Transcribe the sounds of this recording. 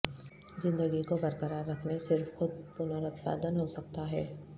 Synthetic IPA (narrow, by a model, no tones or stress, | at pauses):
zɪ̃nd̪əɡikobɐɾkəɾaːɾːɐkʰnesɪɾfxʊd̪̚pʊnaɾʊt̪pa̰ːd̪ənɦosɐk̚t̪aɦɛː